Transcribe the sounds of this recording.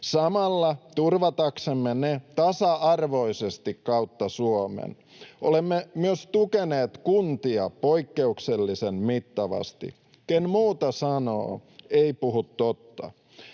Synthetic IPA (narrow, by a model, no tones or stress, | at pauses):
sɑmɑlːɑt̪urʋɑt̪ɑksemːenet̪ɑsɑɑrʋo̞isest̪ikkɑut̪ːɑsuomḛn | ʔolemːemyøst̪ukeneːt̪kunt̪iɑpoikːe̞ukselːisenmit̪ːɑʋɑ̰st̪ḭ | kenmuːt̪ɑsɑno̰ːeipuɦut̪t̪ot̪ːɑ̰